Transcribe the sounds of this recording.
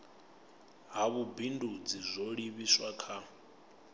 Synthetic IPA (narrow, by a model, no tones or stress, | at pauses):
ɦaβubindʱud͡zizʷoɺiβiswakʰa